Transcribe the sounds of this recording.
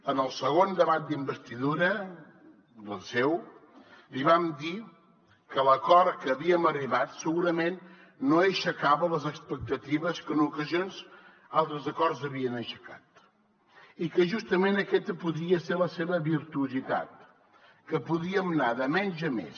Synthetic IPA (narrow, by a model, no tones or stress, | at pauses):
ənəlˠsəɣ̞ond̪əβat̪̚d̪imbəst̪iðuɾə | d̪əlˠsɛw | liβamd̪i | kələkɔɾkəːβiəməriβat̪səɣuɾəmenː | oəʃəkaβələzəkspək̚t̪ət̪iβəskənukəzionz | alˠt̪ɾəzəkɔrzəβiənəʃə̥kat̪ | ikəʒust̪əmenəkɛt̪əpuðɾiəseɾləseβəβiɾt̪uuzit̪a̰t̪̚ | kəpuðiəmnaðəmɛnʲʒəmḛs